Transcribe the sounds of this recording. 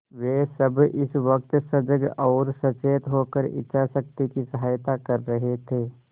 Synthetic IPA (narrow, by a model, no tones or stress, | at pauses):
ʋeːsəbɪsʋək̚t̪sɐd͡ʒəɡɔːɾsɐt͡ʃeːt̪ɦoːkəɾɪ̰tːʃʰasək̚t̪ikisɐɦaːjt̪akɐɾːɐɦet̪ʰeː